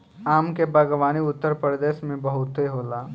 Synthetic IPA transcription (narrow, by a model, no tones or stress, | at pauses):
aːmkebɐɡʋaːniʊt̪ːəɾpɾɾəd̪eːʃmẽbɐɦʊt̪ɦeɦoːlaː